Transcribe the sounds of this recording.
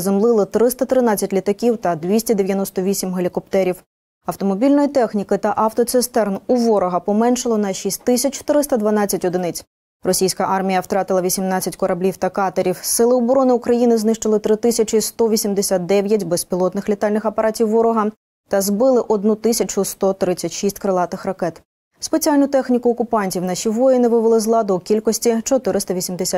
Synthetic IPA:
zemlˠɪlˠɪt̪ɾɪst̪ɐt̪ɾɪnɑt͡sʲːɐtʲlʲit̪ɐkʲiwt̪ɐd̪ʋʲisʲtʲɐd̪eʋʲjɐnɔst̪ɔʋʲisʲimɦelʲikɔpt̪ɛɾʲiw | ɐwt̪ɔmɔbʲilʲnɔjit̪ɛxnʲikɪt̪ɐʔɐwt̪ɔt̪sɪst̪ɛrnuʋɔɾɔɦɐpɔmɛnʃɪlˠɔnɐʃisʲtʲt̪ːɪsʲɐt͡ʃt̪ɪɾɪst̪ɐd̪ʋɐnɑt͡sʲɐtʲɔd̪ɪnɪt͡sʲ | rɔsʲijsʲkɐʔɑrmʲijɐwt̪ɾɑt̪ɪlˠɐʋʲisʲimnɑt͡sʲːɐtʲkɔɾɐblʲiwt̪ɐkɑt̪ɐɾʲiwsɪlˠɪɔbɔɾɔnɪukɾɐjinɪznɪʃt͡ʃɪlˠɪt̪ɾɪt̪ɪsʲɐt͡ʃɪst̪ɔʋʲisʲimd̪esʲat̪̚d̪ɛʋʲjɐtʲbespʲilˠɔt̪nɪxlʲit̪ɑlʲnɪxɐpɐɾʔɑtʲiwːɔɾɔɦɐ | t̪ɐzbɪlˠɪʔɔd̪nut̪ɪsʲɐt͡ʃʊst̪ɔt̪ɾɪt͡sʲːɐtʲʃisʲtʲkɾelˠɑt̪ɪxrɐkɛt̪ | spe̞t͡sʲialʲnʊt̪ɛxnʲikʊːkʊpɑnʲtʲiwnɑʃiʋɔjɪnɪʋɪʋelˠɪzlˠɑd̪ɔkʲilʲkɔsʲtʲit͡ʃɔt̪ɪɾɪst̪ɐʋʲisʲimd̪esʲa

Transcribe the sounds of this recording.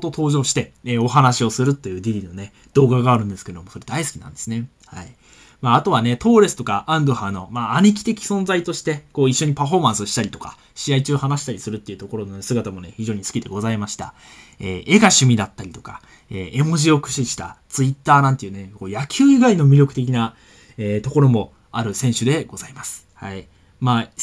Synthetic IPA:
t̪o̞t̪ʰo̞ːʑoːɕi̥t̪e̞eo̞ɦanaɕio̞sɨɾɯ̟t̪ːe̞jɯ̟ːd̪ʲiɾʲino̞ne̞ | d̪̥o̞ːɡaɡaːɾɯ̟̃nd̪esɨ̥ke̞ed̪o̞mo̞soɾe̞d̪aisɨ̥kʲinã̰nd̪e̞sɨne̞ | hai | maːt̪o̞β̞ane̞t̪o̞ːɾe̞sɨ̥t̪o̞kaʔãnd̪o̞hãnːo̞maːɲ̟ik̬ʲi̥t̪e̞kʲi̥sõ̞nzait̪o̞ɕi̥t̪e̞koːiɕːo̞ɲ̟ipaɸo̞ːmãsɨoɕi̥t̪aɾʲit̪o̞ka̰ | ɕiait͡ɕɨːhanaɕi̥t̪aɾʲisɨɾɯ̟t̪ːeiɯ̟t̪o̞ko̞ɾo̞nonesɨɡat̪amo̞neçiʑo̞ːɲ̟isɨ̥kʲid̪e̞ɡo̞zaimaɕi̥t̪a̰ | eːe̞ɡaɕɨmʲid̪at̪ːaɾʲit̪o̞̥ka | eːemo̞ʑio̞kɯ̟̥ɕiɕi̥t̪a̰t͡sɨit̪ːaːnãnt̪e̞jiɯ̟ne̞ko̞ːjakʲʰɨːiɡaino̞mʲiɾʲo̞kɯ̟t̪e̞k̬ʲina | eːt̪o̞ko̞ɾo̞mo̞ | aɾɯ̟sẽ̞ɰ̃ɕɨd̪e̞ɡ̥o̞zaimasɨ̥hai | maː

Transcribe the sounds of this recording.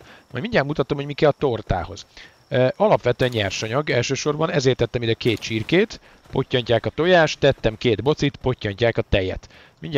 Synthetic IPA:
mɒ̰jmiɲɟaːlmut̪ɒt̪omhoɟmikɛlt̪o̞rt̪a̰ːho̞z̥ | ʔɒlɒpʋɛt̪øɛɲɲɛrʃɒɲɒɡɛlʃøːʃo̞rbɒnɛzeːrt̪ːɛt̪ːɛmid̪ɛkeːt̪t͡ʃirkeːt̪ | po̞cːɒɲcaːkɒt̪o̞jaːʃt̪ːɛt̪ːɛmkeːd̪bo̞t̪sit̪po̞cːɒɲcaːkɒt̪ɛjɛ̰t̪ | miɲɟ

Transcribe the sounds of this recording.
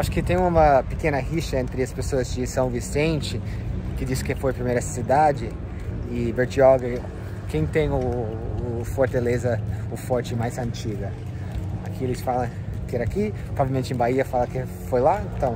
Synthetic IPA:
aʃʊ̥kɪt̪ẽj̃ũmɐpɪkẽnɐhiʃɐẽnt̪ɾɪɐspesoɐzd͡ʒɪsɐ̃w̃visẽnt͡ʃɪ | kɪd͡ʒisɪ̥kɪfojpɾimejɾɐsid̪ad͡ʒɪ | ɪveɾt͡ʃiɔɡɐ | kẽj̃t̪ẽj̃ʊː | foɾt̪alezɐʊfɔɾt͡ʃɪmajzɐ̃nt͡ʃiɡɐ | akielɪsfalɐ̃ | kɪɛɾɐakippɾovavewmẽnt͡ʃɪẽbaiɐfalɐkɪ | fojlaẽt̪ɐ̃w̃

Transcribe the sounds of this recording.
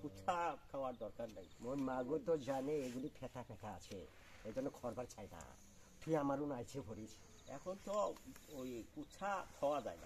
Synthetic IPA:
kut͡ʃʰakʰawaɾd̪ɔɾkaɾnajmojmaɡut̪ɔd͡ʒaneeɡulipʰɛʈʰapʰɛkaːt͡ʃʰe | ed̪ɔnɔkʰɔɾbaɾt͡ʃʰajna̰ | t̪uiamaɾunajt͡ʃʰebʱɔɾit͡ʃʰ | ɛ̰kʰɔnt̪ɔojkut͡ʃʰakʰawad͡ʒa̰jna̰

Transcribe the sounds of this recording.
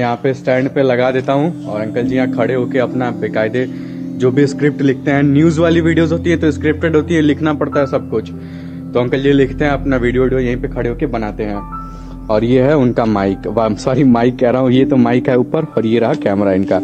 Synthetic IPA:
jɐɦãpesʈɛ̃ːɳɖpelɐɡad̪eːt̪aɦũɔːɾɐ̃ŋkəld͡ʒijãkʰɐɽeɦoːkeɐpnabeːkaːɪd̪e | d͡ʒoːbʱiskɾɪp̚ʈlɪk̚ʰt̪eɦɛ̃njuːzʋaːliʋiːɖijozɦoːt̪iɦɛ̃t̪oɪskɾɪp̚ʈeɖɦoːt̪iɦɛ̃lɪkʰnapɐɽt̪aɦɛsɐb̚kʊt͡ʃʰ | t̪oɐ̃ŋkəld͡ʒilɪkʰt̪eɦɛ̃ɐpnaʋiːɖijoɖiojɐɦĩpekʰɐɽeɦoːkebɐnaːt̪eɦɛ̃ː | ɔːɾjeɦɛʊnkamaːɪkʋasaːɾimaːɪkːɛɦɾaɦũjet̪omaːɪkɦɛuːpəɾɔːɾjeɾɐɦakɛːmɾaɪnkaː

